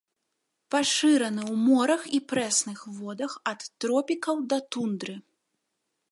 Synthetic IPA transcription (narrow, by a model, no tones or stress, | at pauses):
paʂɨɾɐnɨwmɔɾɐxipɾɛsnɨxvɔd̪ɐxɐt̪ːɾɔpʲikɐwd̪ɐt̪und̪ɾɨ